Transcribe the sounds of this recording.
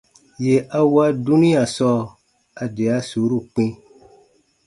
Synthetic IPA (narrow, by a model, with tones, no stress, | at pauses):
je˨ʔa˧wa˦du˦nĩ˦a˨sɔ˦ | a˨de˨a˦su˨˦ɾu˦˨k͡pĩ˦